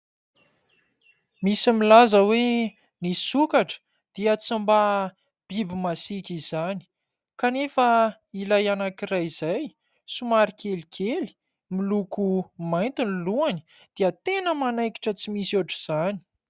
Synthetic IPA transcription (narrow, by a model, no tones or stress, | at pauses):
misimilazəwe | nisukaʈ͡ʂə̥ | d̪̥iət͡simba | b̥ibimasikʲizani̥ | kanefə | ilajanakirajiz̥aj | sumaɾikelikʰeli̥ | milukumajnt̪iniluani̥ | d̪̥iət̪enəmanajki̥ʈ͡ʂət͡simisuʈ͡ʂiz̥ani̥